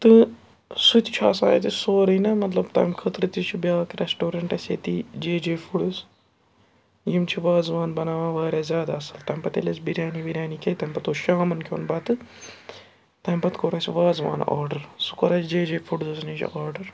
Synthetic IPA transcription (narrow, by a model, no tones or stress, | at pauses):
t̪ɨ | sut̪i̥t͡ʃʰa̰ːsa̰ːjɐt̪isoːɾɐnɐmɐt̪lɐbt̪ɐ̰ːmkʰɐt̪ɾɨt̪it͡ʃʰibʲaːkɾɛsʈoːɾɐɳʈɐsʲḛːt̪id͡ʒeːd͡ʒeːfʰuɽɨs | jimt͡ʃʰiʋaːzʋaːnbɐnaːʋãːʋaːɾʲjaːzʲjaːd̪aːsɐlt̪ɐːmʲpɐt̪ḛlʲɐsʲbiɾʲaːnibiɾʲaːnikʲet̪ɐmʲpɐt̪oːʃaːmɐnkʰʲo̰ːnbɐt̪ɨ | t̪ɐːmʲbɐt̪koːɾaːsʲiʋaːzʋa̰ːna̰ːɾɖɐɾsu̥koɾasd͡ʒeːd͡ʒeːfʰuɽzɐsnid͡ʒɐ̰ʔaːɾɖɐɾ